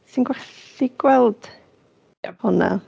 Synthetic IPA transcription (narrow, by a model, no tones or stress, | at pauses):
sinɡwɛɬiɡ̥wɛlˠd̥ | hʊna̰